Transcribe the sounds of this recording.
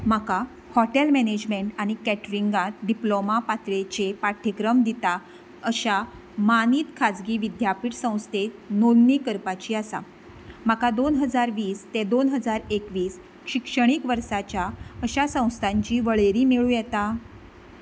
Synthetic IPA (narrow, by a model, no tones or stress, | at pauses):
m̤aka | hɔʈelmɛned͡ʑmeɳʈaɽ̃ikɛʈɾiŋɡat̪ɖiplomapat̪ɾet͡ɕepaʈʰəkɾəmd̪it̪a | əɕa | maniːt̪kʰad͡zɡiːʋid̪japiːʈsə̃w̃st̪ʰenonniːkəɾpat͡ɕiːasa̰ | m̤akad̪onɦəd͡zaɾʋiːst̪ed̪onɦəd͡zaɾekʋiːs | ɕikʂəɽ̃ikʋəɾsat͡ɕjaəɕasə̃w̃st̪ʰãɲt͡ɕiːʋəɭeɾiːmeɭuːjɛt̪a